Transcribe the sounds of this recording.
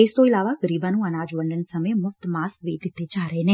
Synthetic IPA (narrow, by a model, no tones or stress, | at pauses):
ɪst̪õɪlaːʋaɡəɾiːbãːnũːənaːd͡ʒʋə̃ɳɖənsɐmemʊft̪maːskʋeːt̪ɪt̪ʰːet͡ʃaːɾəeneː